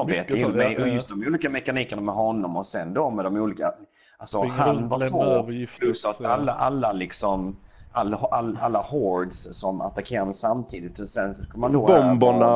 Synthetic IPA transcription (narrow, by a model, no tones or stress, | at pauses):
ɾbeːt̪əjʉmɛjʔɔjɵst̪d̪ɔmuːliːkamɛkaniːkəɳamɛɦɔnːɔmɔsɛnd̪ɔmɛd̪ɔmuːliːka | alsɔhanvavoːpʰlɵsat̪alːaʔalːalɪksɔm | ʔalːalalːahɔɾdssɔma̰t̪akʰeːɾad̪əsamt̪ʰiːd̪ɪt̪ɛsɛnsskɵlmand̪obɔmbana